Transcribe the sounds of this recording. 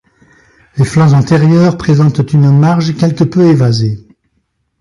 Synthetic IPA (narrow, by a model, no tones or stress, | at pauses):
leflɑ̃zɑ̃t̪eʁjœʁpχezɑ̃t̪ːynmaʁʒkʲɛlkəpøevaze